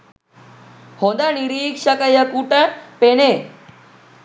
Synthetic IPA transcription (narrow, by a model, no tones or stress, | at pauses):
hod̪aniɾiːkʂəkəjəkuʈəpene